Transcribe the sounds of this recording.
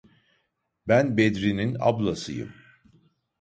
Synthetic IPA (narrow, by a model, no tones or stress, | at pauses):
bænbed̪ɾinina̰blˠasɯ̰jɯ̰m